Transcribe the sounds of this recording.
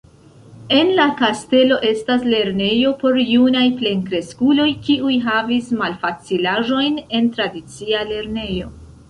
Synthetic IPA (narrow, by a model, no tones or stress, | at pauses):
e̞nlakaste̞lo̞ʔe̞stasle̞ɾne̞jo̞po̞ɾjunajple̞ŋkɾe̞skulo̞jkiujɦavismalfat͡silaʒo̞jne̞ntɾadit͡siale̞ɾne̞jo̞